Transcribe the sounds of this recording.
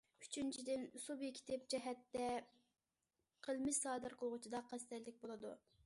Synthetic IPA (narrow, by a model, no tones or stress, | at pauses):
yt͡ʃʰynt͡ʃʰid̪ɪnsubjikʲʰi̥t̪ʰɪp̚d͡ʒɛɦɛt̪ːɛ | qʰəlˠmɪʃsɑːd̪ɨɾqʰəlˠʁʊt͡ʃʰid̪ɑqʰɛst̪æɾlɪk̚ʲbolˠɨd̪ṵ